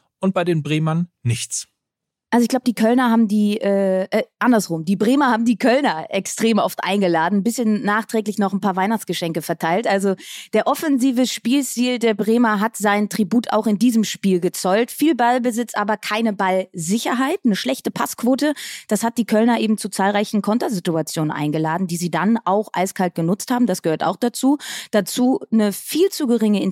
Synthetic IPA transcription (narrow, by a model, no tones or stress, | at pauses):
ʔʊnt̚b̥aɪdeːnbʁeːmɐnːɪçt͡s | ʔalzoɪçɡ̥laʊbədiːkʰœlnɐɦaːbm̩diːʔɛːʔɛːʔandɐsʁʊmdiːbʁeːmɐhaːbm̩diːkʰœlnɐʔɛkstʁ̥eːmʔɔ̰ftʔa̰ɪnɡəlaːdn̩bɪsçənːaːχtʁ̥ɛːklɪçnɔχnpaːɐvaɪnaχt͡sɡ̥əʃɛŋkəfɛɐtʰaɪltʔalzod̥eːɐʔɔfɛnziːvəʃpiːlstiːldeːɐbʁeːmɐɦatz̥aɪntʁ̥ibuːtʰa̰ʊxɪndiːzəmʃpiːlɡət͡sɔʏltfiːlbalbəzɪt͡stʔaːbɐkʰaɪnəbalzɪçɐɦaɪtnəʃlɛçtəpʰaskv̥oːtəd̥ashat̚d̥iːkʰœlnɐʔeːbm̩t͡sut͡saːlʁaɪçn̩kʰɔntɐzɪtuat͡sjoːnənʔa̰ɪnɡəlaːdn̩diːziːdanʔaʊxʔa̰ɪskʰalt̚ɡ̥ənʊt͡sthaːbm̩dasɡ̥əhøːɐta̰ʊxd̥at͡suːd̥at͡suːnəfiːlt͡suɡəʁɪŋəɪn